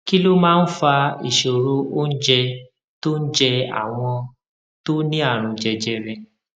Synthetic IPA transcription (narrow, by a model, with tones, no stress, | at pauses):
ki˦lo˦mãː˦n̩˦fa˧ḭ˨ʃo˨ɾo˦o˦n̩˦d͡ʒɛ˧ | to˦n̩˦d͡ʒɛ˧a̰˦˨w̃ɔ̃˧ | to˦nĩ˦a˦˨ɾ̃ũ˨˧d͡ʒɛ˧d͡ʒɛ˧ɾɛ˧